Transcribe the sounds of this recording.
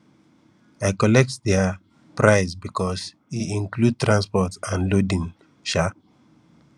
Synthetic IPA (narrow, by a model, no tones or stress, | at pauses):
aɪkɔlɛk̚tdɛa | pɹaɪsbikʰɔs | iĩŋklud̚tɹãnspɔtãnlodĩn | ʃa